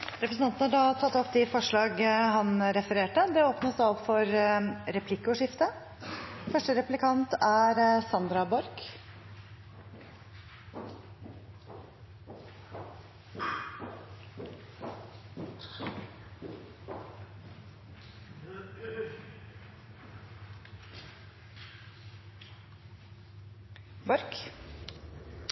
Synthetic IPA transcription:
ɾɛpɾəsn̩ɑnt̪n̩hɑɖɑt̪ʰɑt̪ːɔpd̪ɪfɔʂɭɑːɡɦɑnɾɛfəɾeːʈəd̪ɛoːpnəsɔpfɔɾɾɛpʰlɪkːʊʂɪft̪ə | fœʂʈəɾɛplɪkʰɑnt̪æɾsɑnd̪ɾɑbɔɾk | bɔɾk

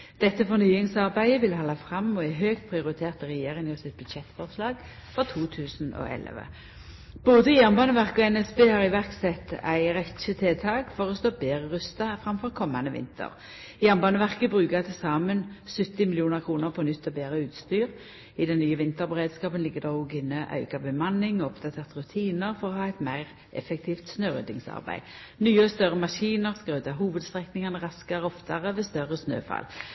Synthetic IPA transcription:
d̪̥ɛt̪ːəfɔnyːɪŋsɑʁbæɪəʋɪlhɑlːɑfʁɑmɔæɪɦøːɡt̪̚pʰʁɪʊɾɪt̪ʰeːʁt̪əʁɛjeːʁɪŋɔsɪt̪̚bʉd̪ʃɛt̪ːfɔʁslɑːɡ | fɔʁt̪ʰuːt̪ʰʉːsno̰ʔɛ̰lʋə̰ | b̥oːd̪əjæʁnbɑːnəʋæʁkəɔɛnɛsbeːhɑʁɪʋæʁksɛt̪ːæ̰ɪʁɛt̪ʃət̪ʰeːt̪ʰɑːɡfɔʁɔst̪oːbeːʁəʁʉst̪ɑfɾɑmfɔʁkʰɔmːanəʋɪ̰nt̪ʰə̰ʁ | jæːʁnbɑːnəʋæʁkəbʁʉːkət̪ʰɪlsɑːmənsʉt̪ːɪmɪlɪuːnəʁkʰʁuːnəʁpʰɔnʏt̪ːɔbeːʁəʉːt̪st̪yːʁ | ɪd̪ɛnːyːəʋɪnt̪əʁbəʁeːd̪skɑːpənlɪɡːəd̪ɛːuːɡɪnːəʔɑ̰ʉkɑbəmɑnːɪŋɔpd̪ɑt̪ʰeːʁt̪ʁʉt̪ʰiːnəʁfɔʁɔhɑːɛɪt̪mæɪʁ | ʔɛfɛk̚t̪ʰiːft̪snøːʁø̰ːd̪ɪŋsɑ̰ʁbæ̰ɪ | nyːəɔst̪œʁəmɑʃiːnəʁskʁøːd̪ɑɦuːʋəd̪st̪ʁɛknɪŋɑnəʁɑskɑʁəɔft̪ɑʁəʋɛst̪œʁəsnø̰ːfɑ̰l

